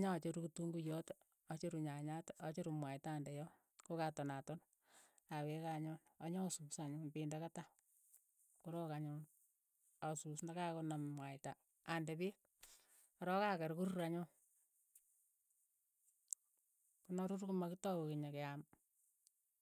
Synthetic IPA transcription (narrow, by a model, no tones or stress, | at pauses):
ɲat͡ʃeɾukutuŋɡujɔt | at͡ʃeɾuɲaɲatʔat͡ʃeɾumwaitaːndɛjɔ | kokatɔnatɔn | awekaɲonaɲasusaɲʊnpindakata | kuɾɔkaɲʊn | asusnakakonammwaɪtaː | ndɛpi | aɾɔkakɛɾkuɾuɾaɲʊ | kunɔɾuɾkumakitɔkokiɲakɛam